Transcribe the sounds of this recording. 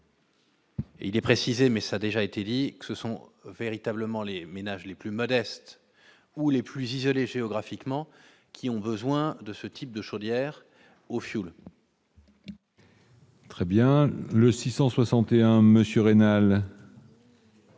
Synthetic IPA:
ḛilɛpχesizemɛsad̪eʒaet̪ed̪ikə̥səsɔ̃veʁit̪abləmɑ̃lemenaʒleplymɔd̪ɛst̪ | uleplyzizɔleʒeɔɡʁafikmɑ̃ | kʲʰiɔ̃bəzwɛ̃d̪əsət̪ʰip̚d̪əʃod̪jɛʁ | ofjul | t̪χɛbjɛ̃ləsisɑ̃swasɑ̃t̪eɛ̃məsjøʁenal

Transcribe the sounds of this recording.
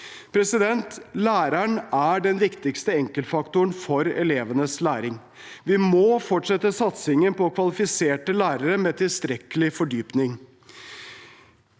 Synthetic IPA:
pʰɾɛsɪd̪ɛnt̪læːɾæɳæɖɛnʋɪkt̪ɪkst̪əɛŋkəlt̪fɑkt̪ʊɳfɔɾɛ̰leːʋənəslæːɾɪŋ | ʋɪmɔːfɔʈʂɛt̪ːəsɑt̪sɪŋənpɔːkʰʋɑlɪfɪseːʈəlæːɾəɾəmɛt̪ʰɪlst̪ɾɛkəlɪfɔɖyːpnɪŋ

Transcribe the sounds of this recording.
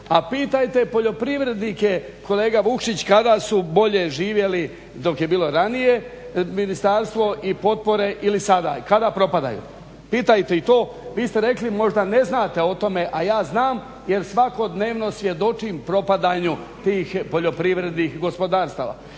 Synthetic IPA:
apiːt̪ajt̪e̞po̞ʎo̞pɾiʋɾe̞d̪nike̞ | ko̞le̞ːɡaʋukʃit͡ɕkad̪asubo̞ʎe̞ʒiːʋje̞li | d̪o̞kjebiːlo̞ɾanije̞ | minist̪aɾst̪ʋo̞ʔipo̞t̪̚po̞ɾe̞ʔilisad̪a̰ːkad̪apɾo̞pad̪a̰jṵ | piːt̪ajt̪e̞it̪o̞ː | ʋiːst̪e̞ɾe̞klimo̞ʒd̪ane̞znaːt̪e̞o̞t̪o̞me̞ʔajaːznaːm | je̞ɾsʋako̞d̪ne̞ːʋno̞sʋʲje̞d̪o̞t͡ʃimpɾo̞pad̪aːɲu | t̪iːxpo̞ʎo̞pɾiʋɾe̞d̪nixɡo̞spo̞d̪aːɾst̪aːʋa̰

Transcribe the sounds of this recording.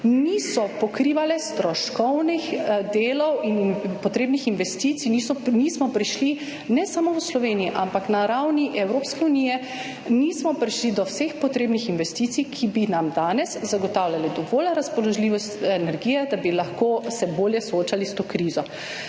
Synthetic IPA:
nisɔpɔkɾiːʋalɛst̪ɾɔʃkɔwnixd̪eːlɔwinpɔt̪ɾeːbnixinʋɛst̪it̪sinisɔniːsmɔpɾiʃli | nɛsamɔwslɔʋenijiʔampaknaɾawniʔɛwɾoːpskɛuniːjɛ | niːsmɔpɾiʃlid̪ɔwsexpɔt̪ɾeːbnixinʋɛst̪iːt̪sikʰibinamd̪aːnɛszaɡɔt̪awljalɛd̪ɔʋoːlɾaspɔlɔʒliːʋɔst̪ɛnɛɾɡiːjɛd̪abilaxkosɛboːljɛsɔoːt͡ʃalist̪oːkɾiːzɔ

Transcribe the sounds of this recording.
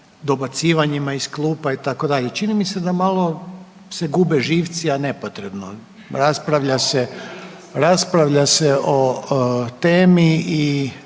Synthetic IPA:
d̪o̞bat̪siːʋaɲimaisklˠuːpait̪ako̞d̪aʎe̞t͡ʃinimise̞d̪amalˠo̞ | se̞ɡubeʒiːʋt̪siane̞pot̪ɾebno | ɾaspɾaʋʎase | ɾaspɾaʋʎaseʔo | t̪eːmii

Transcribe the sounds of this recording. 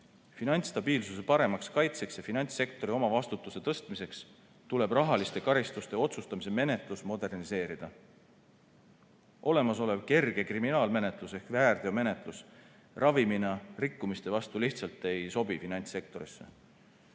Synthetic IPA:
finɑnʲt̪st̪ɑbiːlsuse̞pɑɾe̞mɑkskɑjt̪se̞ksjɑfinɑnʲt̪sːe̞k̚t̪o̞ɾio̞mɑvɑst̪ut̪ːˑuse̞t̪ɤst̪mise̞ks | t̪ule̞b̥rɑɦɑlist̪e̞kɑɾist̪ust̪e̞o̞t̪sust̪ɑmise̞me̞ne̞t̪ˑlusmo̞d̪e̞rnise̞ːɾid̪̥ɑ | ʔo̞le̞mɑso̞leb̥̚ke̞rɡ̥e̞kriminɑːlme̞ne̞t̪ˑluse̞hkvæːrd̪̥e̞ome̞ne̞t̪ˑlus | rʔɑviminɑrikːumist̪e̞vɑst̪uliht̪sɑlt̪ːˑe̞jso̞bifinɑnʲt̪sːe̞k̚t̪o̞ɾisːḛ

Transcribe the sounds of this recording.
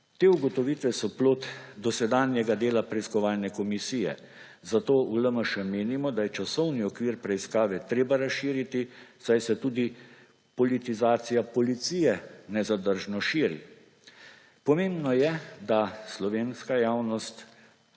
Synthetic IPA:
t̪eːuɡɔt̪ɔʋit̪ʋɛsɔploːt̪d̪ɔsɛd̪aːnjɛɡad̪eːlapɾɛiskɔʋaːlnɛkɔmisiːjɛ̰ | zat̪oːuləməʃɛmeːnimɔd̪ajɛt͡ʃasɔwniɔkʋiːɾpɾɛiskaːʋɛt̪ɾeːbaɾasʃiːɾit̪isajsɛt̪uːd̪i | pɔlit̪izaːt̪sijapɔlit̪sijɛnɛzad̪əɾʒnɔʃiːɾḭ | pɔmeːmbnɔjɛd̪aslɔʋeːnskajaːwnɔst̪

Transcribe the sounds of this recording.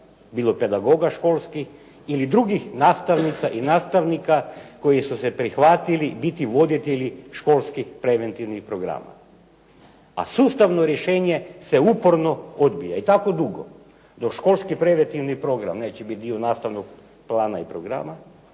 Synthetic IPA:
biːlˠope̞d̪aɡo̞ɡaʃkolˠskix | ilid̪ɾuɡixnaːst̪aʋnit̪saʔinaːst̪aʋnikako̞jisusepɾixʋat̪ilibit̪iʋo̞d̪it̪eʎiʃko̞lskixpɾeʋent̪iʋnixpɾo̞ɡɾa̰ma̰ | a̰suːst̪aʋno̞ɾjeʃeːɲe̞se̞upoɾno̞od̪bijait̪ako̞d̪uɡo̰ | d̪o̞kʃko̞lˠskipɾe̞ʋent̪iʋnipɾo̞ɡɾa̰mneːt͡ʃebit̪̚d̪ionaːst̪aʋnoɡ | plaːnaipɾoɡɾa̰ːma

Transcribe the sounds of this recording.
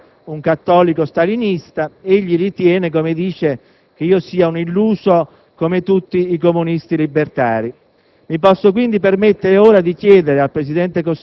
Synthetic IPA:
uŋkat̪ːɔːlikost̪alinist̪aeʎːilit̪jɛːnekomed̪iːt͡ʃe | k̟eiːosiːaunilːuːso | komet̪ut̪ːiːkomunist̪ilibːert̪a̰ːɾi | mipɔsːok̬wind̪ipermet̪ːeɾeoːɾad̪ikjɛːd̪eɾealpɾesid̪ɛnt̪ekos

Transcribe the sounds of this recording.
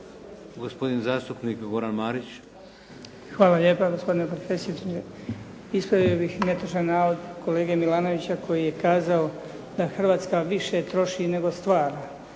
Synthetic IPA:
ɡospo̞d̪inzaːst̪upnikɡo̞ɾanmaːɾit͡ɕ | xʋaːlaʎe̞ːpaɡo̞spo̞d̪inepɾofesiue | ispɾaʋio̞bixmet̪aʃanːaːʋo̞d̪ko̞le̞ːɡemilaːno̞ʋit͡ɕakʰo̞jije̞kaːzao | d̪̥axr̩ʋaːt̪skaʋiʃe̞t̪ɾo̞ʃine̞ɡo̞st̪ʋaːɾa

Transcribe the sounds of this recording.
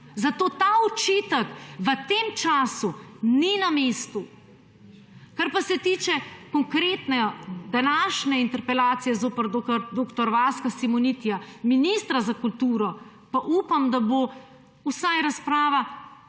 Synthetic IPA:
zat̪oːt̪aːut͡ʃit̪əkʋət̪eːmt͡ʃaːsuninameːst̪u | kaɾpasɛt̪iːt͡ʃɛkɔŋkɾeːt̪nɛd̪anaːʃnɛint̪ɛɾpɛlaːt̪sijɛzoːpəɾd̪oɾd̪oːkt̪ɔɾʋaːskasimɔnit̪ijaminist̪ɾazakult̪uːɾɔ | paʔuːpamd̪abo | usajɾaspɾaːʋa

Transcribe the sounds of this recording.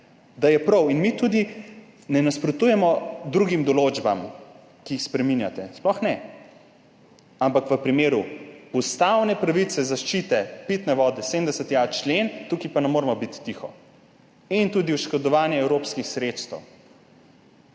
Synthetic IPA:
d̪ajɛpɾɔwinmit̪ud̪i | nɛnaspɾɔt̪uːjɛmɔd̪ɾuɡimd̪ɔlod͡ʒbam | kiːxspɾɛminjat̪ɛsplɔxnɛ | ampakʋəpɾimeːɾuust̪awnɛpɾaʋisɛzaʃt͡ʃit̪ɛpit̪nɛʋɔːd̪ɛsemd̪ɛsət̪jat͡ʃlent̪ukipanɛmoːɾɛmɔbit̪ːixɔ̰ | int̪uːd̪iuʃkɔd̪ɔʋaːnjɛɛwɾopskixsɾet̪st̪ɛw

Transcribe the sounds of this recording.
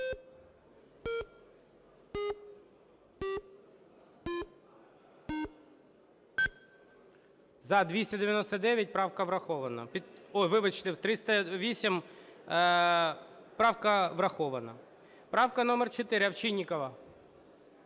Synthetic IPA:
zɐd̪ʲʋʲisʲtʲɐd̪ɪʋʲjɐnɔst̪ɐd̪ɛʋʲjɐt̚ʲpɾɑwkɐʋɾɐxɔʋɐnɐ̰pʲiɔjʋɪʋɪt͡ʃt̪ɪwt̪ɾɪst̪ɐʋʲisʲim | pɾɑwkɐʋɾɐxɔʋɐnɐ̰ | pɾɑwkɐnɔmɛrt͡ʃot̪ɪɾɪɐʋt͡ʃinʲːikɐʋɐ

